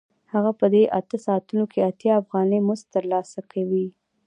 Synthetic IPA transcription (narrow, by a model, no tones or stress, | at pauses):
haɣapəd̪eʔat̪əsɑt̪unokʰeat̪jɑːfɣɑnəjmʊst̪ːəɾlɑsakʰawi